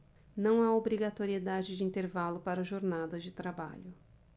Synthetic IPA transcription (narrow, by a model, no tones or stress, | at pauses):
nɐ̃w̃aobɾiɡat̪oɾied̪ad͡ʒɪd͡ʒɪĩnt̪eɾvalʊpaɾʊʒoɾnad̪ɐzd͡ʒɪt̪ɾaba̰ʎʊ